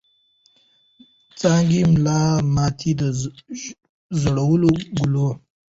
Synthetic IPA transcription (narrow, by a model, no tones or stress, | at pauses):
t͡sɑːŋɡimlɑmɑt̪ʰid̪ə | zoɽawəloɡulo